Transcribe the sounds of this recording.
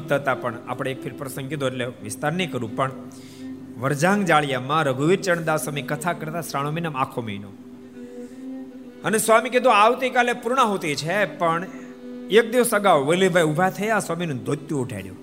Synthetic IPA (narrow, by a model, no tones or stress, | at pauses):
t̪ʰːət̪apəɳa̰pəɽ̃ek̚fʰɪɾpɾəsə̃ŋɡ̚ked̪ʱoeʈleʋɪst̪aɾnikəɾũpəɳ | ʋəɾd͡ʒãŋɡd͡ʒaɭjamãɾəɡʱuʋiɾt͡ʃəɳ̃d̪aʋsəmikət̪ʰakəɾt̪asɾaɽ̃ominamakʰomeino̰ | ənesʋamiked̪oaʋt̪ikalepuɾɳ̃ãɦot̪it͡ʃʰepəɳ | ek̚d̪iʋsəɡawʋəlibʱajubʱat̪ʰəjasʋaminũd̪ʱot̪juːʈʰa̰iɽjṵ̃